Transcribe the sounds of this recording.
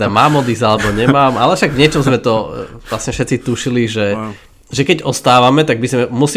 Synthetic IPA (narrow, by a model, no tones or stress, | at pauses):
amaːmɔd̪izalɛbɔɲɛmaːmalɛfʃaɡvɲɛt͡ʃɔmzmɛt̪ɔʋlasɲɛfʃɛtt͡sit̪uʃiliʒɛ | ʒɛkɛɟɔst̪aːʋamɛt̪aɡ̚bizmɛmus